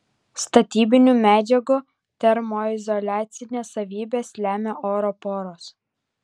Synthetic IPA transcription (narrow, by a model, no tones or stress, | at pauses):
st̪ɐt̪ʲiːbʲɪnʲuːmʲæːd͡ʒʲɛɡu | t̪ʲɛɾmoːɪzɔlʲæːt̪sʲɪnʲeːsɐʋʲiːbʲeːslʲæːmʲeːʔoːɾɔpoːɾoːs